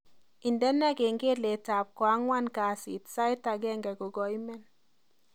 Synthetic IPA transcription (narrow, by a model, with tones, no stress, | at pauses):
i˨ndɛ˦nɛ˦ɡe˨ŋɡe˦le˨ta˨p̚kwa˨˦ŋwa˦nka˨sḭ˨tsa˦ɪ˦ta˨ɡɛ˦ŋɡɛ˨ɡo˨ɡɔ˨i˦mɛ˦n